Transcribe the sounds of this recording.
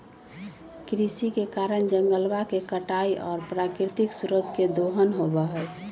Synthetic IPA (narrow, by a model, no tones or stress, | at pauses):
kɾisikekaɾəɳd͡ʒəŋɡəlwakekəʈaːiʔɔːɾpɾaːkɾɪt̪ɪksuɾət̪ked̪oɦənɦobaɦɛ